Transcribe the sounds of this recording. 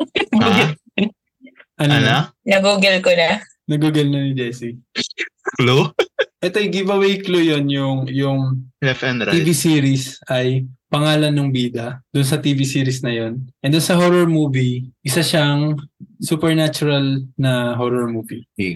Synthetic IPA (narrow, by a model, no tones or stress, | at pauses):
ʔɐnɐnanɐɡuɡɛlkonɐ | nɐɡuɡɛlnɐnɪd͡ʒɛsi | kluʔɛt̪ojɡɪvɐwejklujonjʊŋjʊŋlɛfɛnɾivisiːɾisʔɐjpɐŋaːlɐnːoŋbiːd̪ɐd̪̥ʊnsɐt̪ivisiːɾisnɐjo̞nʔɛnd̪ʊnsɐɦoɾoɹmuːviʔɪsaʃaŋsuːpɛɹnat͡ʃʊɾɐlnɐɦoːɾoɹmuːvi